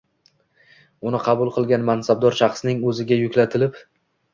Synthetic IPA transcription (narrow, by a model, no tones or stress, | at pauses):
ʊnɪqʰɑbʊlˠqʰɨlˠɡʲanmansabd̪ɒɾʃɑχsnɪŋɵzɪɡʲajʊkʲlat̪ʰɪlɪp